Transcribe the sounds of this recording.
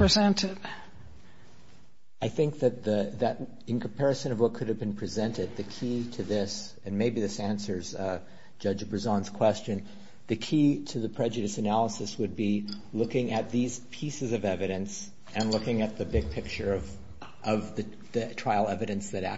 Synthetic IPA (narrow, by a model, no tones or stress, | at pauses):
pɹizɛ̃ntʰɪd̥ | aɪθɪ̃ŋk̚ðɨt̪̚ðiðɨʔ̚ | ɨ̃nkʰm̩pʰɛɹɨsɨ̃nʌvwʌt̚kʰʊɾɨvbɨ̃n̩pʰɹ̥izɛ̃ntɨd̪̚ðɨkʰiɾɨðɪs | ɨ̃nmeɪbiðɪsæ̃nsə˞z̥ | d͡ʒʌd͡ʒbəzɑ̃nz̥kʰw̥ɛst͡ʃɨ̃n | ðɨkʰiɾɨðɨpʰɹ̥ɛd͡ʒɨɾɨsɨnælˠəsɨswɨd̚bi | lʊkɪ̃ŋɨt̪̚ðiz̥pʰisɨzʌvɛvɨɾɨ̃ns | ɨ̃nlʊkɪ̃ŋɨt̪̚ðɨbɪɡ̚pʰɪk̚t͡ʃə˞ʌv | ʔʌvðɨ | ðɨtʰɹ̥aɪl̩ˠɛvɨɾɨ̃nsðɨɾæ